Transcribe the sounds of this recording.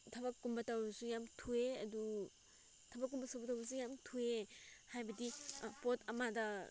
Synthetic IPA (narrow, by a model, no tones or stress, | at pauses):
tʰɐbakːumbatawbɐsujamtʰueɐdu | tʰɐbakːunbɐsabatawbɐsujamtʰuehajbɐdipotɐmadɐ